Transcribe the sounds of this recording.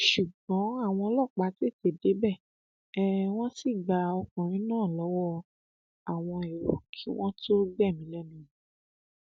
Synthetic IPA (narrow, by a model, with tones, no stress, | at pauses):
ʃu˨ɡ͡bɔ̃˨˦a˦˨w̃ɔ̃˧lɔ˦˨k͡pa˨˦te˦˨te˨de˨˦bɛ˦˨ | ɛ˦w̃ɔ̃˦si˦˨ɡ͡ba˨ɔ˧kũ˨ɾ̃ĩ˦nãː˦˨lɔ˨˦wɔ˦ | a˨w̃ɔ̃˧e˨ɾo̰˨kʰi˨˦w̃ɔ̃˦tʰo˦ɡ͡bɛ˦˨mĩ˨˦lɛ˦mĩ˧˦